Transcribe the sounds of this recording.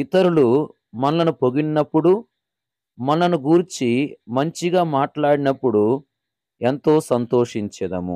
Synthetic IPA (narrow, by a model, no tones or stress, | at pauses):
it̪ɐɾulu | mɐnlɐnupo̞ɡinːɐpːuɽu | mɐnɐnuɡuɾt͡ʃimɐɲt͡ʃiɡaːmaːʈlaːɽinɐpːuɽu | e̞nt̪o̞ːsɐnt̪oːʂiɲt͡ʃɛd̪ɐmṵ